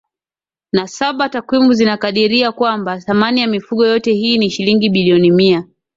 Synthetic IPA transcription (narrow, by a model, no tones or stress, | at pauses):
nasaɓatakwimuzinakaɗiɾiakwambaθamanijamifuɠɔjɔtɛhiːniʃiliŋɡiɓiliɔnimia